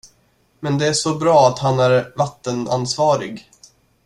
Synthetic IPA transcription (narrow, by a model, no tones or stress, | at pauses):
mɛnd̪ɛæʂɔbɾɑːat̪hanæɾvat̪ːəna̰nsvɑːɾɪ̰ɡ